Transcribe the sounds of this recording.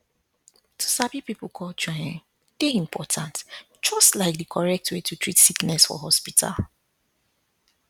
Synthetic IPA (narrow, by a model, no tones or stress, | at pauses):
tʰu̥sabipipl̩kʰɔld͡ʒɔjãn | d̥eĩmpʰɔtʰãnt | d͡ʒɔstlaɪk̚dikʰɔɹɛk̚twetutʰɹitsiknɛsfɔ̰ɦɔspitʰa̰l